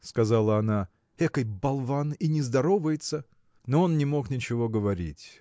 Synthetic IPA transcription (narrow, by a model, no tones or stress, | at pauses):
skɐzalˠəɐna | ɛkəjbɐlˠvaninʲɪzd̪ɐɾo̞vəjɪt̪sə | noonnʲɪmo̞knʲɪt͡ɕɪvo̞ɡəvɐɾʲḭtʲ